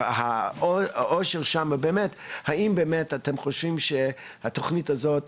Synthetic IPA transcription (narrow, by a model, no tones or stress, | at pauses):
ha | ʔoʃeʁʃamabeːmethaimbeːmetatemχoʃvimʃe | hatoχnitazot